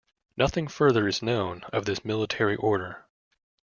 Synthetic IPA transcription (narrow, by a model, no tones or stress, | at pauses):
nʔʌθɪ̃ŋfɜ˞ðə˞ɨznõʊ̃nʌvðɪsmɪlˠətʰɛɹiʔɔɹɾə˞